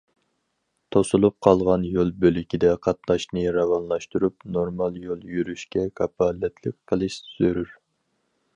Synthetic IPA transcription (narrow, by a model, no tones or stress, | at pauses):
t̪ʰosulˠup̚qʰɑlˠʁɑnjolˠbølykʲid̪ɛqʰɑt̪nˠɑʃnɨɾɑvɑnlˠɑʃt̪uɾup̚noɾmɑlˠjolˠjyɾyʃkʲɛkʰɑpʰɑːlːɛt̪ʰlɪk̚ʲqʰːəlˠɨʃsy̥z̥yɾyɾ